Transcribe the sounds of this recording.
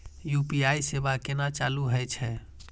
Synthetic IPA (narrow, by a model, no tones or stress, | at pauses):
jupiajsebakenat͡ʃaluɦəjt͡ʃʰɛ